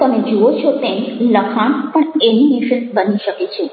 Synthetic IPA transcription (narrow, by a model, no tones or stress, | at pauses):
t̪əmed͡ʒoot͡ʃʰɔt̪ẽnsləkʰaɳpəɳenineʃənbəniʃəket͡ʃʰe